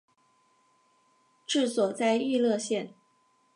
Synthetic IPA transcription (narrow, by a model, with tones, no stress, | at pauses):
ʈ͡ʂɻ̩˥˩swɔ˨˩t͡sa˥˧ɪy˥˧lɤ˥˧ɕjɛ˥˩n